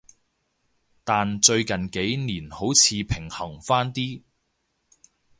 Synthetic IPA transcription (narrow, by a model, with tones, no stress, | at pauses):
t̪aː˨nt͡ʃɵ˧ɥkɐ˨nke˨˥jniː˨˩nho˨˥wt͡sʰiː˨˧pʰɪ˨˩ŋhɐ˨˩ŋfaː˥nt̪iː˥